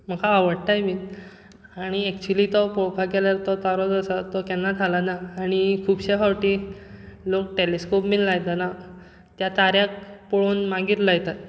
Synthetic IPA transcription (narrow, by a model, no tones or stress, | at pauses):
m̤əkʰaːʋəɽt̪ajmit̪ | aɽ̃iɛk̚t͡ɕulit̪ɔpɔɭkʰakɛləɾt̪ɔt̪aɾɔd͡zəsət̪ɔkɛnːat̪ʰalanaːɽ̃ikʰuːbɕekʰawʈi | lok̚ʈeleskopmiːnlajt̪ana | t̪jat̪aɾjakpɔɭonmaɡiɾlajt̪at̪̚